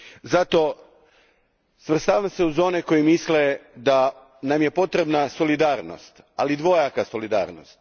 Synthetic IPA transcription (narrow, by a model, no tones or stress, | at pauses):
zat̪o̞ | sʋr̩st̪aːʋamse̞uzo̞nekojimisled̪a | namje̞po̞t̪ɾe̞bnaso̞lid̪aːɾno̰st̪ | alid̪ʋo̞jakaso̞lid̪a̰ːɾno̞̰st̪